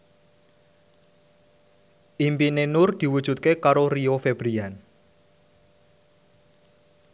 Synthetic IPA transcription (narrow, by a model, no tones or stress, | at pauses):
ʔimpinenʊrd̪̥i̤wud̥ʒ̥ṳt̪̚kekaɾoriofeb̥ɾian